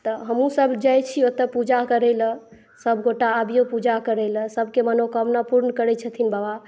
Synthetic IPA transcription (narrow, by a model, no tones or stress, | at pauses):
t̪ɔɦəmũsəbʱd͡ʒajt͡ʃʰiot̪əpud͡ʒakəɾɛlə | səbʱɡoʈaːbijopud͡ʒakəɾɛləsəbʱkemənokəmnapuɾnəkəɾɛt͡ʃʰət̪ʰinbaba